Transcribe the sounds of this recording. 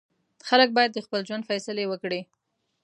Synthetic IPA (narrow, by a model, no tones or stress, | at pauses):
xalək̚bɑjad̪̚ːəxpəld͡ʒwand̪fajsɪlewəkɽi